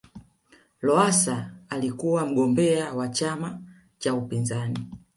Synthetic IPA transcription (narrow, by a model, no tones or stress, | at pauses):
lɔasaːlikuwam̩ɡɔmbɛawat͡ʃama | t͡ʃaupinzani